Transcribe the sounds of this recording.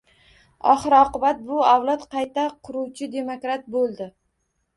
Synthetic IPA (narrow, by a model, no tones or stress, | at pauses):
ɒ̰χɨɾɒqɨbat̪̚bʊawlˠɒt̪qʰɑjt̪aqʰʊɾuwt͡ʃʰɪd̪e̞mokɾat̪̚bolˠd̪ɪ